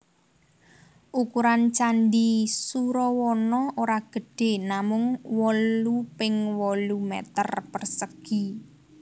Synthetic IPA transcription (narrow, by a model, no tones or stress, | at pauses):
ʔukuɾant͡ʃanɖisuɾɔwɔnɔʔoɾaɡ̥ə̤ɖ̥e̤namʊŋwɔlupɪŋwɔlumɛ̰t̪ərpərsəɡ̥i